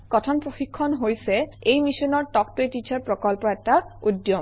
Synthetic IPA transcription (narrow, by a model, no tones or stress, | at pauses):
kɔtʰɔnpɹoxikʰːɔnɦojsɛejmisɔnɔɹʈɔk̚toetit͡ɕaɹpɹɔkɔlpɔɛk̚taud̪jɔm